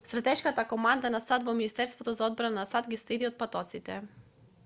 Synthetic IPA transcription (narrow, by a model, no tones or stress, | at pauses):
st̪ɾat̪ɛʃkat̪akomand̪anasad̪vominist̪ɛɾst̪vot̪ɔzaɔd̪̚bɾananasad̪ɡislid̪iot̪̚pat̪ɔt̪sit̪ɛ